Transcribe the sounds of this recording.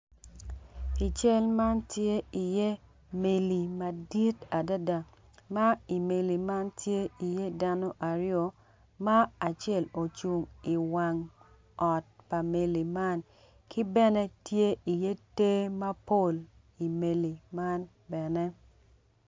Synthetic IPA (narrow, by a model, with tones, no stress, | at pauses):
i˨t͡ʃɛ˦lma˦ntje˦i˨je˦ | me˨li˨ma˨di˦ta˨da˦da˨ | ma˦i˨me˨li˨ma˦ntje˦i˨je˦da˦no˦ʔa˨ɾjo˨ | ma˦a˨t͡ʃɛ˦˨lo˨t͡ʃu˨ŋi˨wa˨ŋ | ɔ˨t̚pa˨me˨li˨ma˦n | kʰi˦bɛ˦nɛ˦tje˦i˨je˦te˦ma˦po˦˨l | i˨me˨li˨ma˦n | bɛ˨nɛ˦